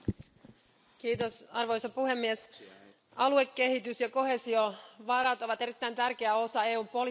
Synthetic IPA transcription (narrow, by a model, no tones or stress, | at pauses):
kiːt̪osɑrʋo̞jsɑpuɦe̞mːies | ɑlue̞kːe̞hit̪ysjɑko̞ɦe̞sio̞ʋɑɾɑt̪o̞ʋɑt̪e̞ɾit̪ːæjnt̪ærk̟e̞æo̞sɑe̞ːuːmpo̞li